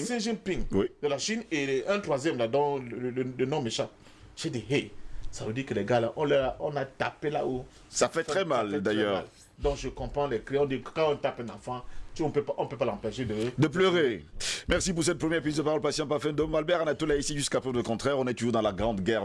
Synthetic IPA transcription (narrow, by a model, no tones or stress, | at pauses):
sɛ̃ʒɛ̃pĩŋwid̪əlaʃineɛ̃t̪χwazjɛmlad̪ɔ̃llənɔ̃meʃã | ʃɛd̪eɦesavəd̪ikəlɛɡalaʔɔ̃lɛaɔ̃nat̪apela̰o | safɛtχɛmald̪ajœːʁl | d̪ɔ̃kʒəkɔ̃pχɑ̃lɛkleɔ̃d̪ikãɔ̃t̪apɛ̃nãfãtuɔ̃pøpaɔ̃pøpalãpɛʃed̪əd̪əp̬løʁemɛʁsip̬uʁsɛt̪̚pχəmjɛʁpizd̪əpaʁɔlpasjɑ̃pafɛ̃d̪ɔmalbɛʁanat̪olaisiʒyskapɛvd̪əkɔ̃t̪χɛʁɔ̃nɛt̪uʒuʁd̪ɑ̃laɡʁɑ̃d̪ɡɛʁ